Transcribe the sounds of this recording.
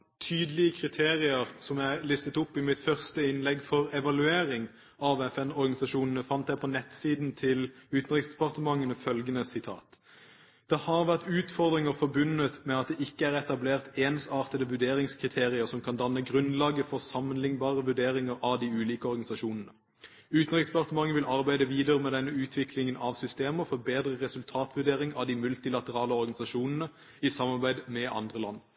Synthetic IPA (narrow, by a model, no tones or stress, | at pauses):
t̪ʰyːd̪əlɪəkʰʁɪt̪ʰeːʁɪəʁsɔmæɪlɪst̪ət̪ʊpːɪmɪt̪fœʁst̪əɪnlɛɡfɔʁɛʋɑlʉeːɾɪŋ | ɑʋɛfɛnɔɾɡɑnɪsɑʃuːnən̩əfɑnt̪d̪æɪpʰɔnɛt̪siːd̪n̩t̪ʰɪlʉːt̪n̩ʁɪksd̪̥ɛ̥pɑʁt̪əmɑŋːənəfœlɡənəsɪt̪ʰɑ̰ːt̪ | d̪̥ɛhɑʁʋæʁt̪ʉːt̪fɔʁd̪ʁɪŋəʁfɔɾbʉnət̪mɛɑt̪̚d̪ɛʔɪkːəæʁɛt̪ɑbleːʁt̪eːnsɑːʁt̪əd̪əʋʉd̪eːʁɪŋskʰʁɪt̪ʰeːʁɪəʁsɔmkʰɑnd̪ɑnːəɡʁʉnlɑːɡəfɔʁsɑmənlɪŋbɑːʁəʋʉʁɖ̪eːʁɪŋəʁɑʋd̪iʉːliːkəɔʁɡɑnɪsɑʃuːnn̩ə | ʉːt̪nɛkspɑʁt̪əmɑŋːəʋɪlʔɑʁbæɪd̪əʋiːd̪əʁəmɛd̪ɛnːəʉːt̪ʰʋɪkʰlɪŋənʔɑʋsʏst̪eːməʁfɔʁbeːd̪ʁəʁɛsʉlt̪ʰɑːt̪ʋʉd̪eːʁɪŋɑʋd̪imʉlt̪ɪlɑt̪əʁɑːləɔʁɡɑnɪsɑʃuːnənə | isɑmɑʁbæɪd̪mɛʔɑ̰nd̪ʁəlɑ̰n